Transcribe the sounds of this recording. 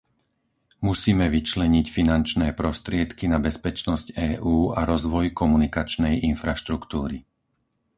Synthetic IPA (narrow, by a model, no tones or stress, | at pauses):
musiːmɛʋit͡ʃlɛɲicfinant͡ʃnɛːpɾɔst̪ɾɪɛt̪kinabɛspɛt͡ʃnɔscɛːʔuːaɾɔzʋɔjkɔmunikat͡ʃnɛjinfɾaʃt̪ɾukt̪uːɾi